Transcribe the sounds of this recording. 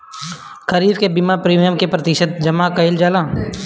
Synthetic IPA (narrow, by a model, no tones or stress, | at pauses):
kəɾiːbkebɪmapɾiːmijəmkepɾɐt̪ɪʃət̪̚d͡ʒɐmakɐɪld͡ʒaːlaː